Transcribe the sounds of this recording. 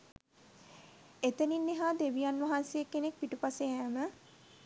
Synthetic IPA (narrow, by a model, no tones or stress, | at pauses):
et̪əninːeɦaːd̪eʋijanʋaɦansejekːenek̚piʈupaseɛːmə